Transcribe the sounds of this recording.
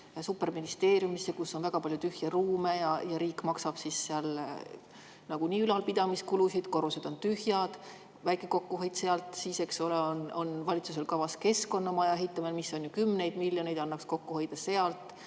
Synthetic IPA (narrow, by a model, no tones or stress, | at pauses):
supːˑe̞rminist̪e̞ːrjumisːekusːo̞nvæɡ̥ɑpɑljut̪yhjɑruːme̞jɑjɑɾiːkmɑksɑb̥sisːeɑl | nɑɡ̥uniːylɑlpid̪̥ɑmiskulusid̪̥ko̞ɾused̪̥o̞nt̪yhjɑd̪̥ | væjkːˑeko̞kːuɦe̞jt̪se̞ɑlt̪ˑsiːse̞kso̞leono̞nvɑlʲit̪suse̞lkɑvɑske̞sko̞nːɑmɑjɑeɦit̪ːˑɑmelmisːo̞njukymːne̞jd̪̥miljo̞ne̞jd̪̥ɑnːɑksko̞kːuhe̞jd̪̥ɑse̞ɑlt̪ˑ